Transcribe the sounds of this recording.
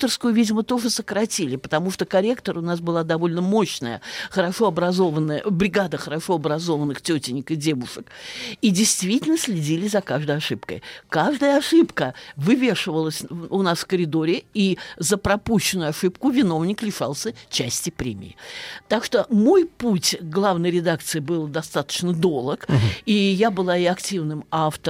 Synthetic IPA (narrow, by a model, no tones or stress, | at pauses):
t̪ərskʊjʊvʲidʲɪmət̪o̞ʐɨsəkɾɐtʲilʲɪpə̥t̪ɐmuʂt̪okɐɾʲe̞kt̪əɾʊnas̬bɨlˠad̪ɐvo̞lʲnəmo̞ɕnə̰jə̰xəɾɐʂo̞ɐbɾɐzo̞vənːəjəbɾʲɪɡad̪əxəɾɐʂo̞ɐbɾɐzo̞vənːɨxtʲɵtʲɪnʲɪkɨdʲe̞vʊʂɨkidʲɪjst̪vʲitʲɪlʲnəsʲlʲɪdʲilʲɪzɐkaʐd̪əjɐʂɨpkə̰jkaʐd̪əjəɐʂɨpkəvɨvʲeʂɨvəlˠəsʲʊnasfkəɾʲɪd̪o̞ɾʲɪizəpɾɐpuɕːɪnʊjʊɐʂɨpkʊvʲɪno̞vnʲɪklʲɪʂalˠsʲət͡ɕæsʲtʲɪpɾʲemʲɪ̰ɪ̰t̪akʂt̪o̞mo̞jputʲɡlˠavnəjɾʲɪd̪akt̪sɨɪbɨlˠd̪ɐst̪at̪ə̥t͡ɕnəd̪o̞lˠəkijabɨlˠaɪɐktʲivnɨmaft̪ə